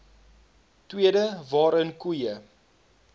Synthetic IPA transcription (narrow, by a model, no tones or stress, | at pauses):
twiədəvɑːɾənkujə